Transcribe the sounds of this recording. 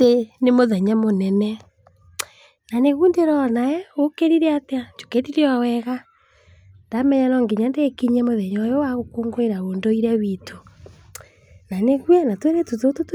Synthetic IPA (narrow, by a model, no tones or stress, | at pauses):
tenemoðɛɲamonɛnɛ | naneɣundeɾɔnaɛokeɾiɾeateat͡ʃo̥ketiɾeawɛɣa | nd̥amɛɲanɔŋɡiɲandekiɲɛmoðɛɲaojɔwaɣokoŋɡweɾaondoiɾawitʰo | naneɣwanatweɾetutotot